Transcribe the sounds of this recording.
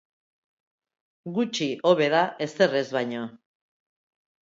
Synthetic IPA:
ɡut͡ʃioβe̞ðae̞se̞re̞zβajɲo̞

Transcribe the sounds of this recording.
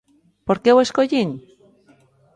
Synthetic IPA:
poɾkeweʃkoʝiŋ

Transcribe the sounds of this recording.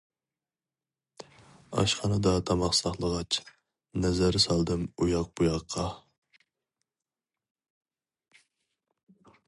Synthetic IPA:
ɑ̰ʃχɑnɨd̪ɑt̪ʰɑmɑχsɑχlˠəʁɑt͡ʃʰ | nɛzæɾɪsɑlˠd̪ɨmujɑq̚bujɑqʰːɑ

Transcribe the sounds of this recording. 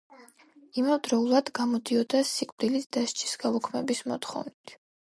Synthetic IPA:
imavd̪ɾɔulˠad̪ɡamɔd̪iɔd̪asikʼvd̪ilisd̪̥aʃt͡ʃʰi̥sɡalukʰmɛbismɔt̪χɔ̰vnit̪ʰ

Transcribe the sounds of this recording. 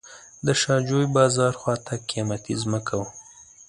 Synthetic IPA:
d̪əʃɑd͡ʒojbɑzɑɾxwɑt̪akijɑmat̪izməkʰawa

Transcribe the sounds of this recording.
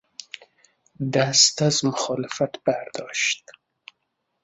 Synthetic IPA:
d̪ast̪azmʊxɑlɪfat̪baɾd̪ɔʃt̪

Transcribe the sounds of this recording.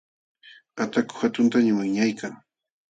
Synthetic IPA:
at̪akʊ̥xat̪ʊnt̪aɲʊmaŋɲajkaŋ

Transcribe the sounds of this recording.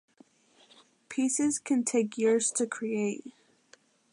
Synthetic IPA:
pʰisɪz̥kʰɨ̃ntʰeɪkjɪɹz̥tʰɨkʰɹ̥ieɪt̚

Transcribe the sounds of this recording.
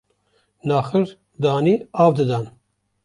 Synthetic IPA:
nɑːxɨɾ | d̪ɑːniːɑːvd̪ɨd̪an

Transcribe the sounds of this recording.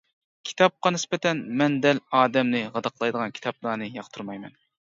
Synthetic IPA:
kʲʰi̥t̪ʰɑp̚qɑnɪspɛt̪ʰɛnmɛnd̪ɛlɑːd̪ɛmnɨʁɑd̪ɑqʰlˠɑjd̪əʁɑnkʲʰi̥t̪ʰɑpnɑːnɨjɑqt̪ʰuɾmɑjmɛn

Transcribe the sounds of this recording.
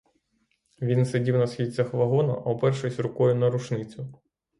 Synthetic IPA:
ʋʲinsedʲiwnɐsxʲit͡sʲɐxʋɐɦɔnɐ̰ʔwpɛrʃɔsʲɾʊkɔjʊnɐɾʊʃnɪt͡sʲʊ

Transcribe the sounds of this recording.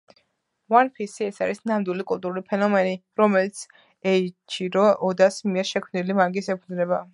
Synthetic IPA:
wanpʰisiɛsaɾisnamd̪wilikʼulˠt̪ʼuɾulipʰɛnɔmɛniɾɔmɛlit̪sʰ | ɛit͡ʃʰiɾɔɔd̪asmiɛɾʃɛkʰmnilimaɾɡisɛpʰud̪znɛba

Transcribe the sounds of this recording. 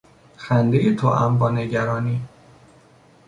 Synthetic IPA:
xænd̪ejet̪ʰoʔæmbɒːneɟæɾɒːniː

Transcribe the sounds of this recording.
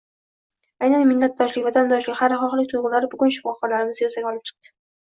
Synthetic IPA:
ajnanmɪnːat̪̚d̪ɒʃlɪkʲvat̪ʰand̪ɒʃlɪkʲhaɾɪχɒχlɪk̚ʲt̪ʰʊjʁʊlaɾɪbʊɡʊnʃɪ̥fɒχːɒlaɾɪmɪzjosaɡʲɒlˠɪp̚t͡ʃʰɨ̥q̚t̪ɪ̥

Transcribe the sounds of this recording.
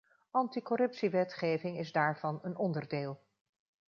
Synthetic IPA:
ɑntikɔɾɵpsiʋɛtχejvɪŋɪzdaːɹv̥ɑnənɔndəɹdeːlˠ

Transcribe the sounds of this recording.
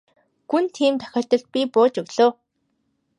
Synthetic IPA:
ɡ̥unt̪ʰiːmt̪ʰœ̥xʲɔːrt̪ə̆ɮt̪̚pʲipoːt͡ɕɵɣɮoː

